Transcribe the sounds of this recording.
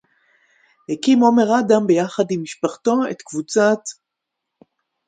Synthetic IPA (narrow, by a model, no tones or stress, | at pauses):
hekimo̞me̞ʁadambejaχadimːiʃpaχt̪o̞ḛt̪kvut͡sat̪